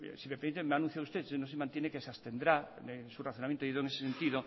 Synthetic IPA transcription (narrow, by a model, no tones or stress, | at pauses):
simepeɾĩnt̪emeanũ̟θjaðust̪esnõsemant̪jenekesast̪end̪ɾaesuraθjonamjent̪oiðoeŋese̥sent̪iðo